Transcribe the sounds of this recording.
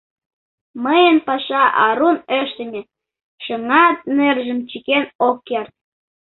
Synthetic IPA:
məjənpɑʃɑʔɑɾuneʃt̪ə̆nʲĕ | ʃəŋɑt̪̚nerʒə̆mt͡ɕikenokːert̪̚

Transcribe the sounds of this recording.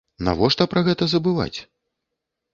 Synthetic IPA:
na̰vɔʂt̪ɐpɾɐɣɛt̪ɐzɐbɨva̰t͡sʲ

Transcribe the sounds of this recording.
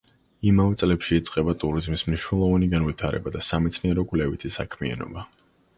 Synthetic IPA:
imavɛt̪sʼlɛpʃiːt̪sʼqʼɛbat̪ʼuɾizmismniʃnɛlˠɔvaniɡanvit̪ʰaɾɛ̰bad̪asamɛt̪sʰniɛɾɔkʼvlɛvit̪ʰisakʰmia̰nɔ̰ba

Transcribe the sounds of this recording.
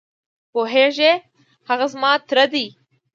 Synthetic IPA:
boɦeːʒeː | hɐɣazmɑːt̪ɾɐd̪i

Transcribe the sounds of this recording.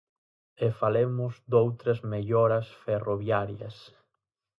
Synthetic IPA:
efalemʊzd̪owt̪ɾɐzmeʎɔɾɐsferoβjaɾjɐs

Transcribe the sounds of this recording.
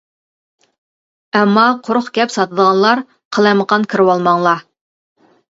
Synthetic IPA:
ɛmːɑqʰoɾχkʲɛpsɑt̪əd̪əʁɑnlˠɑɾ | qʰəlˠɑjməqɑnkʲʰiɾɪwɑlˠmɑŋlˠɑ

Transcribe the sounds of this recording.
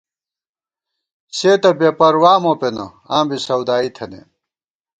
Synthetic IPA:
ɕeːt̪ɐbepɐɾwaːmopenɐ̰ | ãːmbisɐwd̪aːit̪ʰɐnḛ

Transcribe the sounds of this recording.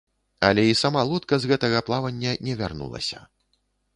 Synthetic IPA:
ɐ̰lʲɛisamalˠɔt̪kɐzɣɛt̪ɐɣɐplˠavɐnʲːɐnʲɛvʲa̰rnṵlˠɐ̰sʲɐ̥

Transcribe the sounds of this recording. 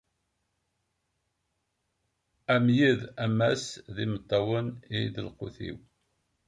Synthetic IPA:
æmjiðæmæsðimət̪ˤːɑwəniðəlqʊ̰θḭw

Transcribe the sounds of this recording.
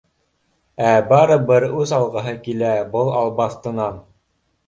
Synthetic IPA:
æbɑɾɤ̆bɤɾʉzɑlˠʁɤ̆ɦɤkilæbɤlˠɑlˠbɑθt̪ɤ̆nɑn

